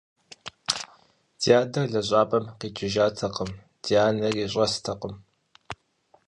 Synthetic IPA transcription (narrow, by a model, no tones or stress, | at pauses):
dijaːdɐrɮɐɕʷʼaːpʼɐmqiːt͡ʃʼɪʒaːtʰɐqəm | d̥ijaːnɐriːɕʷʼɐstʰɐqəm